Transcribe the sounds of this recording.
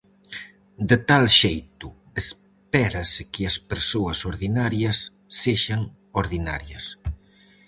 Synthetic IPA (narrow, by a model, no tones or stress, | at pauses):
d̪et̪alʃejt̪ʊ | es | pɛɾɐsɪkɪɐspeɾsoɐsoɾðinaɾjɐsː | eʃɐŋ | oɾðina̰ɾjɐs